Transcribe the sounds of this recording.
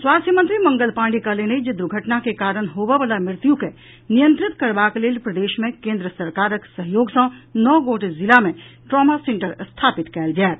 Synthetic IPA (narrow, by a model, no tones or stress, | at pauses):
swaːst̪ʰjəmə̃nt̪ɾimɐ̃ŋɡəlpãːɳɖikəleneid͡ʒɪd̪ɾuɡʱəʈnakekaːɾəɽ̃ɦoːʋeʋəlamɪɾt̪juke | nijə̃nt̪ɾɪt̪kɐɾbaːkeleːlpɾɐd̪eːʃmẽkẽːnd̪ɾəsəɾkaːɾəksəɦjoːɡsãnɔːɡoːʈezɪlamẽʈɾɔːmasẽɳʈəɾst̪ʰaːpɪt̪kɛːld͡ʒaːt̪